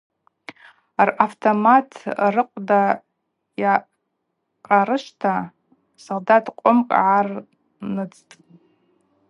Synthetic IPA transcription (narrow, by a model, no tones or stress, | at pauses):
araftʰomatʰrɨqʷʼda | ja | qʼaɾɨʃtʰa | soldatʼqʷʼʊmkʼʕar | nɨt͡stʼ